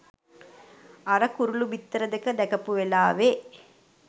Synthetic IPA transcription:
ɐɾɐkuɾulubit̪ːɾɐd̪ekəd̪ɛkɐpuʋelaːʋe

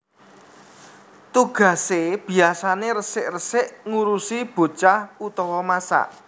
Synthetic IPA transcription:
t̪uɡ̥a̤seb̥i̤asaneɾəsɪʔrəsɪʔŋuɾusib̥o̤t͡ʃahut̪ɔwɔmasa̰ʔ

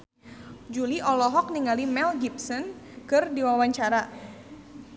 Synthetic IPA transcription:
d͡ʒuliʔɔlɔɦɔk̚niŋalimɛlɡipsɔnkɨrdiwawaɲt͡ʃaɾa

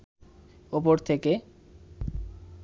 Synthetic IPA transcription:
opoɾt̪ʰeke

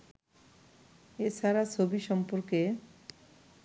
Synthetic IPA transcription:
et͡ɕʰaɾat͡ɕʰobiʃɔmpoɾke

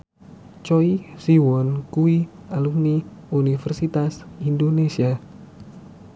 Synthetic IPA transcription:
t͡ʃɔisiwɔnkui | alukniunifɛrsit̪asind̪onesia

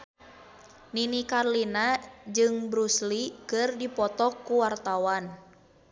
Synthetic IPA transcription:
ninikarlinad͡ʒɨŋbɾuslikɨrdipɔt̪ɔkːuwart̪awan

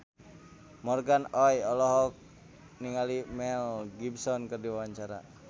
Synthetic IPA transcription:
mɔrɡanɔjɔlɔɦɔk̚ | niŋalimɛlɡibsɔnkɨrdiwawaɲt͡ʃaɾa̰

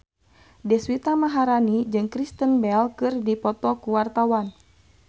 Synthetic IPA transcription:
dɛswit̪amaɦaɾanid͡ʒɨŋkɾist̪ənbɛlkɨrdipɔt̪ɔkuwart̪awan

